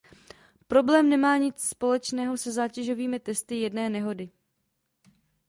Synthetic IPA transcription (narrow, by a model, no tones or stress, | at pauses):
pɾo̞blɛːmnɛmaːɲɪt͡sspo̞lɛt͡ʃnɛːɦo̞sɛzaːcɛʒo̞viːmɪt̪ɛst̪ɪjɛdnɛːnɛɦo̞dɪ